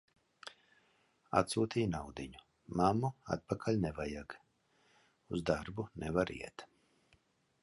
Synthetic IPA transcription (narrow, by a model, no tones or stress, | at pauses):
a̰t̪suːt̪iːjnawd̪iɲu | mamːua̰t̪̚pakʰalʲnɛvajaɡ | uzd̪aɾbunɛvaɾḭɛt̪